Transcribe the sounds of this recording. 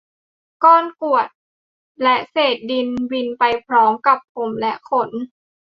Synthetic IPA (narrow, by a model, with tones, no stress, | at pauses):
kɔː˧˥˩nku˨˩ət̪̚ | lɛ˦˥seː˨˩t̪̚di˧nbi˧npa˧jpʰɾɔː˦˥mka˨˩p̚po˨˧˦mlɛ˦˥ʔkʰo˧˩n